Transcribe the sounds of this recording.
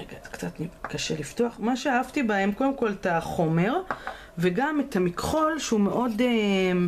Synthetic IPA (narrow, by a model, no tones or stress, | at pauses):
eɡaz̥kt͡sat̪nikaʃeliftoaχmaʃeaavtibahe̞mko̞demko̞letaχo̞me̞ʁ | veɡametamikχo̞lʃeume̞ʔo̞dem